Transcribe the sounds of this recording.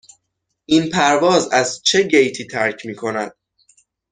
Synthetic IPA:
ʔinpʰæɾvɒːzæzt͡ʃʰe̞ɟejt̪ʰiːt̪ʰæɾcʰmiːkʰo̞næd̪̥

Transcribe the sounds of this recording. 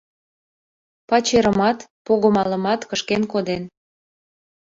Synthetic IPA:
pɑt͡ɕeɾəmɑt̪poɣəmɑlə̆mɑt̪kəʃkenkod̪en

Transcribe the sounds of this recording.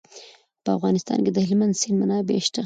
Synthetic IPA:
pəafɣɑnɪst̪ɑ̰nked̪əhɪlmand̪sinmanɑbḛʃʈ̪a

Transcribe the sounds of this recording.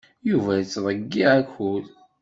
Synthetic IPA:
juvæjət͡sːðˤəɡːiʕækul

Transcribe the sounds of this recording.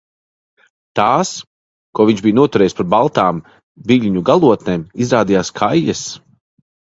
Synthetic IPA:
t̪aːs | kuɔviɲʒbijnuɔt̪uɾɛːjispaɾbalˠt̪aːm | viʎʲɲuɡalˠuɔt̪neːmizɾaːd̪ijaːskʰajːɛs

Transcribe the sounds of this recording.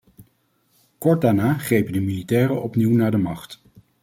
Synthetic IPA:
kɔɹt̚daːɹnaːχrejpəndəmilitɛːɾəɔpniwnaːɹdəmɑχt

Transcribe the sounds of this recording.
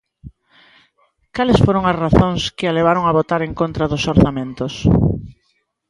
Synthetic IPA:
kalɪsfoɾoŋɐsraθõŋskɪaleβ̞aɾoŋɐβot̪aɾeŋkont̪ɾɐðʊsoɾθamẽnt̪ʊs

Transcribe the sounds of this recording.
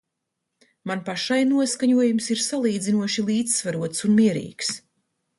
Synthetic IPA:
manpaʃajnuɔskaɲuɔjumsiɾsalˠiːd̪zinuɔʃilˠiːd̪zvaɾuɔt̪sunmiɛɾḭːks

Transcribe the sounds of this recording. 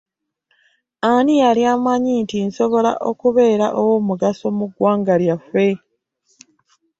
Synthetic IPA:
anijaljaːmaɲintinso̞βo̞la̰ʔo̞kuβe̞ːɾaʔowo̞ːmuɡaso̞muɡwaːŋɡaljafe̞

